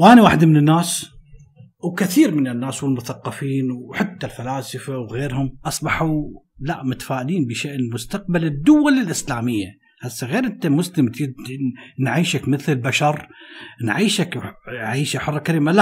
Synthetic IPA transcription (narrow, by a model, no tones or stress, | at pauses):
wʔaːniwaːħɪd̪mɪnɪnːaːs | wkɪθiːɾmɪnɪnːaːswɪlmʊθɑqːɑfiːnwħat̪ːalfalaːsɪfawɣeːɾhʊmʔɑsˤbɑħulaʔmʊt̪ḁfaːʔɪliːnbɪʃeːʔɪlmʊst̪aq̚balɪd̪ːʊwalɪlʔɪslaːmɪjːa | hasːɣeːɾʔɪnt̪amʊslɪmt̪ɪ | nʕiːʃakmɪθɪlbaʃɑɾˤnʕiːʃakʕiːʃaħʊrˤːɑkaɾiːmala